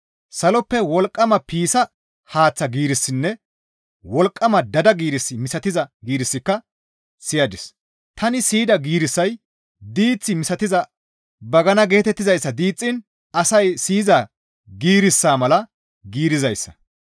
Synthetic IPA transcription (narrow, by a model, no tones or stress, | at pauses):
sɐlɔpːɛwɔlkʼːɐmɐpiːsɐ | haːt͡sːɐɡiːɾɪsːɪnːɛ | wɔlkʼːɐmɐd̪ɐd̪ɐɡiːɾɪsːɪmɪsɐt̪ɪzɐɡiːɾɪsːɪkːɐ | sɪjɐd̪ɪs | t̪ɐnɪsiːd̪ɐɡiːɾɪsːɐj | d̪iːt͡sːɪmɪsɐt̪ɪzɐ | bɐɡɐnɐɡe̞ːt̪ɛt̪ːɪzɐjsːɐd̪iːt͡sʼːɪn | ɐsɐjsiːza | ɡiːɾɪsːaːmɐlɐ | ɡiːɾɪzɐjsːɐ̥